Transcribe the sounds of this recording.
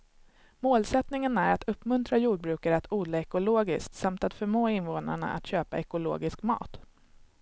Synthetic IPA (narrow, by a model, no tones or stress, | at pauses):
moːlsɛt̪nɪŋənæɾat̪ʰɵpːmɵnt̪ɾajuːɖ̚bɾʉ̟ːkaɾəat̪ʰuːd̪laɛkʊloːɡɪskt̪samt̪at̪fœɾmoːɪnvoːna̰ɳa̰ʔa̰t̪ɕøːpaʔɛkʊlo̰ːɡɪskmɑ̰ːt̪